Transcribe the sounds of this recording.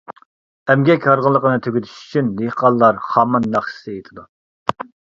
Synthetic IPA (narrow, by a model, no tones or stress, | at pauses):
ɛmɡʲɛkʲʰːɑɾʁəlˠːəqənɨt̪ʰøɡʲyt̪ʰy̥ʃy̥t͡ʃʰynd̪ehqɑlˠːɑɾχɑmɑnːɑχʃɨ̥sɨet̪ʰɪd̪u